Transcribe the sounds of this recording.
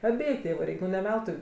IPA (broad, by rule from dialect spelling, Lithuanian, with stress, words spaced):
ɐˈbʲeːjʊ ˈtʲeːʋʊ ˈrʲɛɪkʲ nʊ nʲɛ ˈʋʲɛlˠtʊɪ